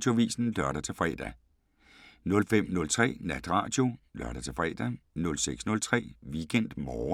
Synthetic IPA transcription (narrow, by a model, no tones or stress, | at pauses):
d̥jo̝ʋḭːsn̩lɶɐɾ̥ɐt͡sʰe̝lfʁɛ̰ːd̥æ | nɔ̽lfem̰nɔ̽lt͡sʰʁɛ̰ːnæd̥ʁɑ̰̈ːd̥jo̝lœɐɾ̥ɐt͡sʰe̝lfʁɛ̰ːd̥ænɔ̽lseɡ̥snɔ̽lt͡sʰʁɛ̰ːʋiɡ̥en̰d̥mɒː